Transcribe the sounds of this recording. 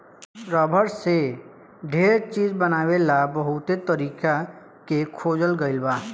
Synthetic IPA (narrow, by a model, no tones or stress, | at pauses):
ɾəːbʱəɾse | ɖʱeːɾt͡ʃiːd͡ʒbənaːʋelabəɦʊt̪et̪əɾiːka | kekʰoːd͡ʒəlɡəɪlbaː